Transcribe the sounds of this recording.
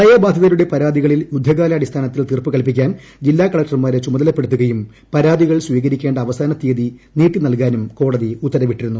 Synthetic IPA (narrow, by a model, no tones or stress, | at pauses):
ɐjɐbaːd̪ʱjɐðɐluɽe̞pɐɾaːd̪iɣɐɭiljud̪ʱːɐɣaːlɐɐɽist̪ʰaːnɐt̪ːilt̪irpɨkɐlp̬ikʲːaːn | d͡ʑilːaːkɐɭɐkʈɐrmaːɾet͡ɕumɐðɐlɐpːe̞ɽut̪ːuɣɐjum | pɐɾaːd̪iɣɐɭsʋiːɣɐɾikʲːe̞ːɳɖɐːʋɐsaːnɐt̪ːiːɐðiniːʈːinɐlkaːnumko̞ːɽɐðiut̪ːɐɾɐʋiʈːiɾunːu